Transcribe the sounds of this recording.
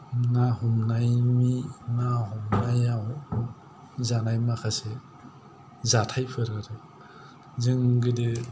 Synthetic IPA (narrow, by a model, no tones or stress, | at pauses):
nahɔmnajminahɔmnajaw | zanajmakʰase | zatʰajpʰɯɾaɾɯ | zɯŋɡɯdɯ